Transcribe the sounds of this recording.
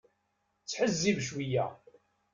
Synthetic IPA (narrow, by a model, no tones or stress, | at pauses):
t͡sːħəzːivʃwijæ̰